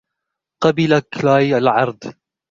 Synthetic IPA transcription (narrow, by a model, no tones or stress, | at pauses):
qɑbɪlaklaːjalʕɑɾˤd̪ˤ